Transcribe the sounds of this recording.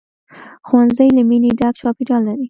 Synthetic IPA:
xwanzəjlamineɖaɡt͡ʃɑpiɖɑlːaɾi

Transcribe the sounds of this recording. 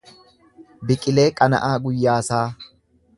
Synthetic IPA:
bɪkʼɪle̞ːkʼɐnɐ̰ʔaːɡʊjːaːsaː

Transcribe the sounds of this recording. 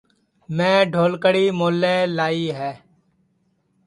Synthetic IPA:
mɛ̃ːɖʱoːlkəɽiːmoːleːlaːiːɦɛː

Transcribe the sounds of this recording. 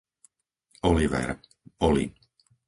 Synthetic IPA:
ɔliʋɛ̰ɾ | ɔlḭ

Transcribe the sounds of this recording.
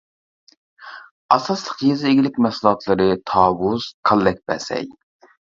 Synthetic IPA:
ɑsɑslˠəqjezɪeɡʲilɪkʲmɛslˠɑt̪ʰlˠɨɾɨt̪ʰɑːwuz̥qʰɑlˠːɛk̚ʲbɛ̰sɛ̰j

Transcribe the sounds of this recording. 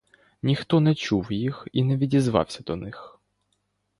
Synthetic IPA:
nʲixt̪ɔnɛt͡ʃuwjixinɛʋʲidʲizʋɑ̰wsʲɐd̪ɔnɪx

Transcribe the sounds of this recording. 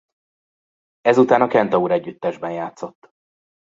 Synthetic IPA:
ɛzut̪aːnɒkɛnt̪ɒuɾɛɟːyt̪ːɛʒbɛnjaːt̪so̞t̪ː

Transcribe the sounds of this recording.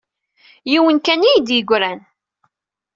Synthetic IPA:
jiwənkænijd̪jəɡʷɾæn

